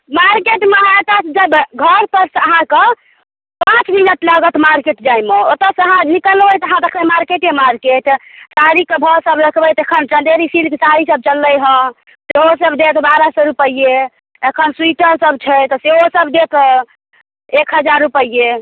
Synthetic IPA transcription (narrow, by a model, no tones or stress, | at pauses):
maɾkeʈmeɦat̪asd͡ʒəbɡʱəɾpəɾsəɦãke | pãt͡ʃminət̪ləɡət̪maɾkeʈd͡ʒajmeot̪əsəɦãnikəlɦojt̪əɦãt̪əkʰəmaɾkeʈemaɾkeʈsaɾikebʱəɾsəbɾəkʰbəjt̪ekʰənt͡ʃənd̪eɾisilkesaɾisəb̚t͡ʃəlːəjɦə̃ | seɦosəbd̪et̪baɾasɔɾupəie | ekʰənswiʈəɾsəb̚t͡ʃʰɛt̪ɔseɦosəbd̪et̪ʰ | ekʰɦəd͡ʒaɾːupəie